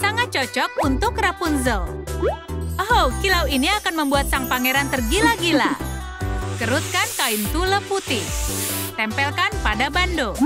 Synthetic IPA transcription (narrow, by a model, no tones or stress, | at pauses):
saŋat̪̚t͡ʃɔt͡ʃɔk̚unt̪ʊkrapunzəl | ɔɦowkilawiniakanməmbuat̪̚saŋpaŋeɾant̪ərɡilaɡila̰ | kəɾut̪̚kankaint̪uləpːut̪ɪ | t̪ɛmpɛlkanpadabando